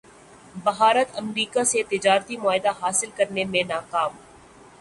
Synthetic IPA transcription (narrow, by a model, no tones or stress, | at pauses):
bɐɦaːɾət̪ɐmɾiːkaset̪ɪd͡ʒaːɾt̪imʊaːɦɪd̪aɦaːsɪlkɐɾnemẽnaːkaːm